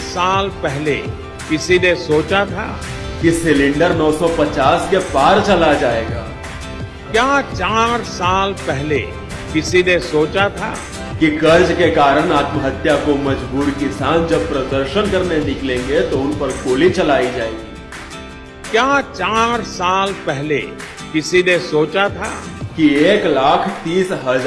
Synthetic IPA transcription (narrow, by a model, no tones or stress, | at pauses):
saːlpɛɦle | kɪsinesoːt͡ʃat̪ʰa̰ː | kisɪlɪ̃ɳɖəɾnɔːsɔpɐt͡ʃaːskepaːɾt͡ʃɐlad͡ʒaːeːɡa̰ː | kjaːt͡ʃaːɾsaːlpɛɦle | kɪsinesoːt͡ʃat̪ʰa̰ː | kikɐɾd͡ʒkekaːɾəñaːt̪məɦət̪jakoməd͡ʒbuːɾkɪsaːnd͡ʒɐb̚pɾəd̪əɾʃənkɐɾnenɪklẽːŋɡet̪oʊnpəɾkoːlit͡ʃɐlaːid͡ʒaːeɡiː | kjaːt͡ʃaːɾsaːlpɛɦlḛ | kɪsinesoːt͡ʃat̪ʰaːkieːklaːkʰt̪iːsɦəd͡ʒ